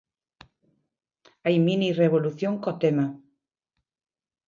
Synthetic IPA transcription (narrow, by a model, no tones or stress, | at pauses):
ajmĩnireβoluθjoŋkot̪ema